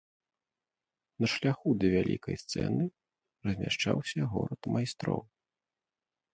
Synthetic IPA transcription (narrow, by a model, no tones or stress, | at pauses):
nɐʂlʲaxud̪ɐvʲalʲḭkɐ̰jst̪sɛ̰nɨ | rɐzʲmʲaʂt͡ʂawsʲɐɣɔɾɐt̪majst̪ɾɔ̰w